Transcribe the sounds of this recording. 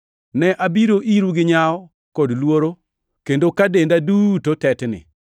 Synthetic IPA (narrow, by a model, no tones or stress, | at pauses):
nɛʔabiɾoʔiɾuɡɪɲaɔ | kɔdlwoɾo | kendokadendadutotɛtnɪ̰